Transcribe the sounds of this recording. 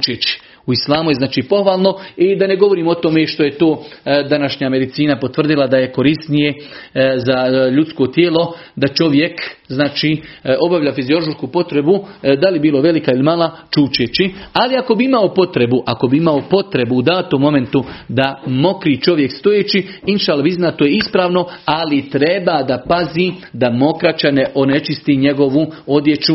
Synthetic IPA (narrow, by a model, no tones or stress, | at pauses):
t͡ʃet͡ɕi̥ | uislˠaːmujenaːt͡ʃiːpo̞hʋaːlˠno̞id̪ane̞ɡo̞ʋo̞ɾiːmo̞t̪o̞meʃt̪o̞je̞t̪oːd̪anaʃɲame̞d̪it̪siːnapo̞t̪ʋr̩d̪ilˠad̪aje̞ko̞ɾist̪nije̞zaʎut̪sko̞t̪jeːlo̞d̪at͡ʃo̞ʋje̞kznaːt͡ʃiːo̞baʋʎafizio̞lˠooʃkupo̞t̪ɾe̞bud̪alibiːlˠo̞ʋe̞likailimaːlˠat͡ʃuːt͡ʃet͡ʃialiako̞biimaopo̞t̪ɾe̞buʔako̞biimaopo̞t̪ɾe̞buːd̪aːt̪omo̞me̞nt̪ud̪amo̞kɾiːt͡ʃo̞ʋje̞kst̪o̞jeːt͡ʃiinʃaːlːabiznat̪ojeispɾaːʋno̞alit̪ɾe̞bad̪apazid̪amo̞kɾat͡ʃane̞ʔo̞ne̞t͡ʃist̪iɲe̞ɡo̞ʋuo̞d̪je̞t͡ʃu